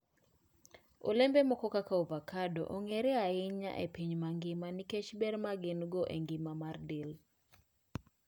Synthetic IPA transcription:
o̰lɛmbemɔkɔkakaovakado̰ʔoŋeɾɛaɪɲa̰ʔḛpiɲmaŋɡɪmaniket͡ʃbɛɾmaɡɪnɡɔʔḛŋɡɪmamardil

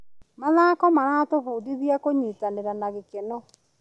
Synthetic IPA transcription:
maðaːkɔmaɾaːtofuːdiðiakoɲiːtaneɾanaɣekenɔ

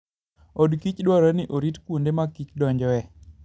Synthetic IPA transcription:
odkit͡ʃdwaɾanɪʔoɾitkwundemakit͡ʃdɔɲd͡ʒɔɛ

